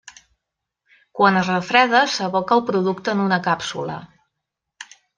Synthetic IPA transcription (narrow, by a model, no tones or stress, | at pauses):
kwanəzrəfɾɛðəsəβɔkəlˠpɾuðuk̚t̪əːnunəkapsṵlə̰